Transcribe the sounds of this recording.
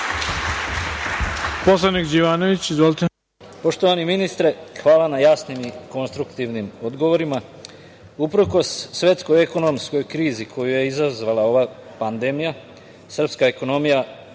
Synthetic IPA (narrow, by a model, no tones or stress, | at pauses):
poslˠanikd͡ʑiʋaːnoʋit͡ɕizʋolt̪e | po̞ʃt̪oʋaniminist̪ɾexʋaːlˠanajasnimiko̞nst̪ɾukt̪iʋnimod̪ɡo̞ʋo̞ɾima | upɾoko̞sːʋe̞t̪sko̞jeko̞nomsko̞jkɾiːzikʰo̞juje̞izazʋalˠao̞ʋa | pand̪e̞mija | sr̩pskaeko̞no̞mija